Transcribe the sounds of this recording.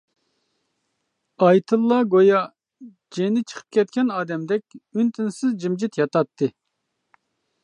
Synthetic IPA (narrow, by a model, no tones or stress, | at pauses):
ɑjt̪ʰɨlˠːɑɡojɑ | d͡ʒenɪt͡ʃʰə̥qʰə̥p̚kʲʰɛt̪̚kʲɛnɑːd̪ɛmd̪ɛkʲynt̪ʰɪnsɪzd͡ʒimd͡ʒit̪jɑt̪ɑt̪ːɨ